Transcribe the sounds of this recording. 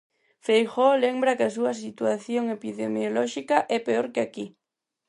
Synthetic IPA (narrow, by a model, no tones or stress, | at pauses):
fejxolembɾɐkɪasuɐs̬it̪uaθjoŋepiðemjolɔʃikɐʔɛpeoɾkɪaki